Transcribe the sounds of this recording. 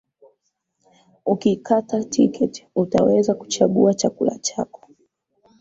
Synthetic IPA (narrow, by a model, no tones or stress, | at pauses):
ukikʰatatʰikɛtutawɛzaku̥t͡ʃaɠuat͡ʃakula̰t͡ʃakɔ̥